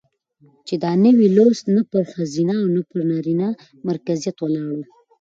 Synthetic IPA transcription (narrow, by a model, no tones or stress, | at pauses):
t͡ʃed̪ɑnəwilost̪napəɾxazinaːwnapəɾnɑɾina | maɾkazijat̪wəlɑɽu